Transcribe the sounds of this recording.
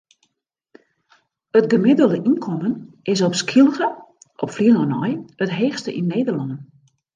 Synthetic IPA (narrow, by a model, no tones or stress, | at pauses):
ətɡəmɪdəlˠdəʔinkʰɔmən | ɪs̬ɔpskʰilˠɣə | ʔɔpfliənɔnɔ̰jətɦeːxstəʔinːeːdərlɑndən